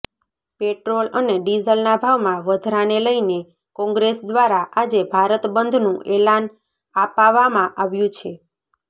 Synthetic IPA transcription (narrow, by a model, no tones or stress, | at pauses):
peʈɾoləneɖizəlnabʱaʋmãʋəd̪ʱɾaneləine | kɔ̃ŋɡɾesd̪ʋaɾaʔad͡ʒebʱaɾət̪bənd̪ʱnũʔelan | apaʋamãʔaʋjũt͡ʃʰe